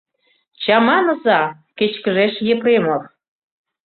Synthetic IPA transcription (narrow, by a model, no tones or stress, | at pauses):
t͡ɕɑmɑnɤ̆zɑ | ket͡ɕkəʒeʃjepremɤr